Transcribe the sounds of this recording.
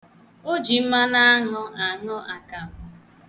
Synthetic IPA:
o˦d͡ʒi˨m̩˦ma˦na˦a˦ŋʊ˦ʔa˨ŋʊ˦ʔa˨ka˨m̩˦

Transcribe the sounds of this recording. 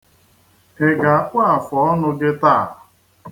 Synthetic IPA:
e˨ɡa˨a˨kʷa˦a˨fɔ˨ɔ˦nʊ˦ɡɪ˦ta˦˨

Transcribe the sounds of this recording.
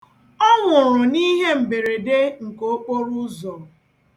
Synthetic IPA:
ɔ˦ŋʷʊ˨ɾʊ˨ni˦ɦe˦m̩˨be˨ɾe˨de˦ŋ̩˨ko˦o˦k͡po˦ɾʊ˦zɔ˨

